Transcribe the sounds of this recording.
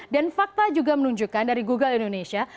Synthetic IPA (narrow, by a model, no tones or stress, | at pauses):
danfak̚t̪ad͡ʒuɡamənuɲd͡ʒukandaɾiɡuɡalindonesia